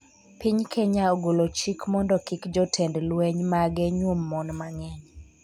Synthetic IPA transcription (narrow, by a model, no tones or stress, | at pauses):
piɲkʰeɲaoɡolot͡ʃikmɔndɔkɪkd͡ʒɔtʰɛndlwɛɲmaɡɛɲwomːɔnmaŋɛɲ